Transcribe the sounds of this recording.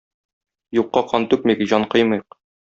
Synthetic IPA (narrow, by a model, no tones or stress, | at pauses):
juqːɑqʰɒnt̪ʉp̚miɡɘʑɒɴqɤjmɤjq